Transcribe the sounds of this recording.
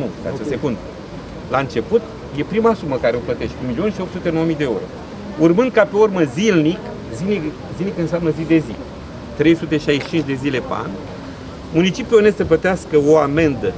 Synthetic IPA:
nufa̰eose̞kund̪ | laɨnt͡ʃe̞put̪ | je̞pɾimasuməkaɾeoplət̪e̞ʃt̪ʲkumilio̞nʃiopt̪sut̪eowəmijd̪euɾo̞̰ | urmɨnd̪̚kape̞urməzilnik | zini | zilnikɨnseamnəzid̪e̞zḭ | t̪ɾe̞jsut̪e̞ʃajiʃt͡ʃint͡ʃd̪e̞zile̞pea̰n | munit͡ʃipjuo̞ne̞st̪səp̬lət̪easkəoame̞nd̪ə

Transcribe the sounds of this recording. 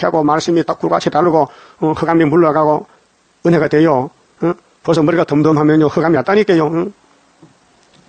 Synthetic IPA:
kʰaɡɔmaɾsimitak͈ʰːuɾka̰t͡ɕʰitaluɡɔ | hɯɡamimbulːokaɡɔ | ɯnɦeɡat̪ejo | pʰʌs̬ɔmɯɾɡat̪ʌmd̪omɦamjʌnjohɯɡamiat̪͈anik͈ejo

